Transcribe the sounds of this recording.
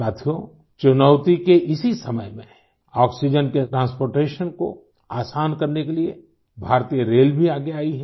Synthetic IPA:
saːt̪ʰijo | t͡ʃʊnəʊt̪ikeʔɪsisɐməjmẽ | ɔːksid͡ʒənkeʈɾãːnspoːɾʈeːʃənko̰ | aːsaːnkɐɾnekelie | bʱaːɾt̪ijəɾeːlbʱiaːɡeaːiɦɛ

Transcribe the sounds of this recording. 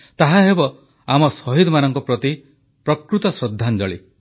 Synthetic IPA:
t̪aɦaɦebɔ | amɔsɔɦid̪ɔmanɔŋkɔpɾɔt̪i | pɾɔkɾut̪ɔsɾɔd̪ʱːand͡ʒɔɭi

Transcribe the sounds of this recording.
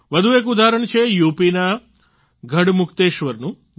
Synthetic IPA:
ʋɐd̪ʱueːk̬ud̪ʱaːɾəɳt͡ʃʰejuːpina | ɡʱɐɽmukʰt̪eːʃʋɐɾnu

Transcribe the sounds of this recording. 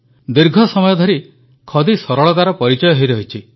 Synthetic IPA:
d̪iɾɡʱɔsɔmɔjɔd̪ʱɔɾi | kʰɔd̪isɔɾɔɭɔt̪aɾɔpɔɾit͡ʃɔjɔɦejɾɔɦit͡ʃʰi

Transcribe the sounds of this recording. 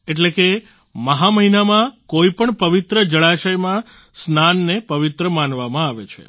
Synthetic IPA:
eʈleke | məɦaməɦinamãkoipəɳpəʋit̪ɾəd͡ʒəɭaʃəjmã | snanːepəʋit̪ɾəmanʋamãaʋet͡ʃʰḛ

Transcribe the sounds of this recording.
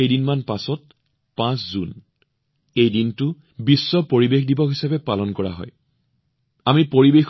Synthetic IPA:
ejdinmanpasɔt̚ | pãszun | ejdintʊ | bisːɔpoɹibexdibɔkɦisabɛpalɔnkɔɹa̰ɦɔ̰j | amipoɹibex

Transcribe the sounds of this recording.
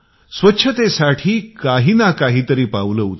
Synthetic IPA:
sʋətːɕʰət̪esaʈʰiːkaɦiːnakaɦiːt̪əɾiːpaʋuləut̪

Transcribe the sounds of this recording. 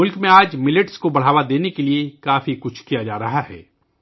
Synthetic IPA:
ʊlkmẽaːd͡ʒmɪlɪʈskobɐɽ̤aːʋad̪eːnekeliekaːfikʊt͡ʃʰkijad͡ʒaːɾɐɦaɦɛ̰ː

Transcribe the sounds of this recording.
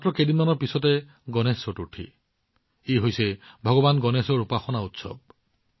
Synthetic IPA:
atɹɔkedinmanɔɹpisɔtɛ | ɡɔnesɔtuʈʰḭ | eɦojsɛbʱɔɡɔbanɡɔnesɔɹupaxɔnautsɔ̰b̚

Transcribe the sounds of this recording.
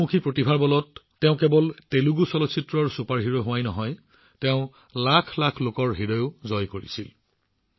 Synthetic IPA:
ukʰipɹotibʱaɹbɔlɔtː | ɛʊ̃kebɔlteluɡusɔlɔtsʰitɹɔɹsupaɹɦiɹɔɦʊwajnɔɦɔj | tɛʊ̃ | lakʰlakʰlokɔɹɦiɹɔjʊzɔjkoɹḭsil

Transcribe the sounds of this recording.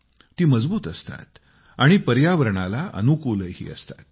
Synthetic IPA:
t̪iːməd͡zbuːt̪əst̪a̰t̪ | aɽ̃ipəɾjaʋəɾɳ̃alaʔə̰nukuləjhḭːə̰st̪ḁt̪̚

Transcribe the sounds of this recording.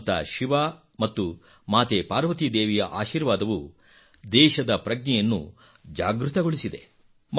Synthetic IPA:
t̪ʰɐ̰ʃiʋaː | mɐt̪ːu | maːt̪epaːɾʋɐt̪id̪eːʋɛjɐ̰ʔaːʃiːɾʋaːd̪ɐʋu | d̪ɛːʃɐd̪ɐpɾɐɡnɛjɐnːṵ | d͡ʒaːɡɾut̪ɐɡoɭisid̪e̞̰ | m

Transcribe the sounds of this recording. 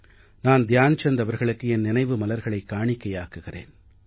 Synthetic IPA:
naːnd̪jaːnt͡ʃɛnd̪ɐʋɐɾɣɐɭɯkːɯɛnːɪnɐɪʋɯmɐlɐɾɣɐɭɐɪkːaːɳɪkːɐjaːkɯɣɪrḛːn

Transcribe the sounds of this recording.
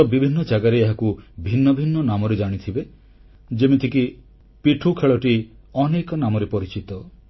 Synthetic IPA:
ɔbibʱinːɔd͡ʒaɡaɾeeɦakubʱinːɔbʱinːɔnamɔɾed͡ʒaɽ̃it̪ʰibe | d͡ʒemit̪ʰiki | piʈʰukʰeɭɔʈi | ɔnekɔnamɔɾepɔɾit͡ʃit̪ɔ

